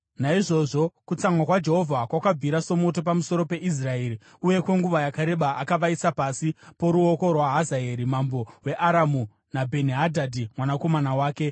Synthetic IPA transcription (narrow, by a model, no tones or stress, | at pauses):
naiʐo̞ʐo̞kut͡samwakwad͡ʒe̞ɦo̞vʱakwakab͡viɾaso̞mo̞t̬o̞p̬amuso̞ɾo̞pe̞ʔis̬rae̞ːɾi | uje̞kwe̞ŋɡuʋajakaɾe̞ɓaʔakaʋaisapasipo̞ɾuo̞ko̞rwaɦazae̞ɾimambo̞we̞ʔaɾamu | nabʱe̞niɦadʱadʱimwanako̞manawaːke̞